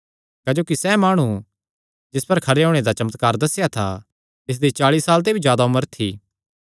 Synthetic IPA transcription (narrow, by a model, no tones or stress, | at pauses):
kaːd͡ʒoːkisɛmaːɽ̃u | d͡ʒɪspɐɾkʰɐɾeoːɽ̃ed̪at͡ʃɐmət̪kaːɾd̪ɐsejat̪ʰa̰ | t̪ɪs̬d̪it͡ʃaːɭiːsːaːlt̪̬ebʱizjaːd̪aʊməɾt̪ʰḭː